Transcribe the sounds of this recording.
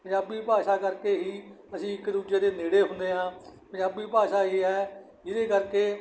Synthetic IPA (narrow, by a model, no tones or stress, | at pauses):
pəɲaːbiːpaːʃaːkəɾkeːɦiː | əsĩːɪkd̪uːd͡ʒeːd̪eːneːɽeːɦʊ̃nd̪eːɦãːpə̃ɲaːbiːpaːʃaːɦiːɦɛː | d͡ʒɪd̪eːkəɾkeː